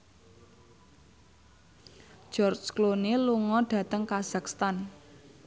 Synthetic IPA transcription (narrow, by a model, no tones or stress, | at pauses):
ʒ̥ɔrd͡ʒkloneluŋɔɖ̥ä̤t̪əŋkaz̥akst̪an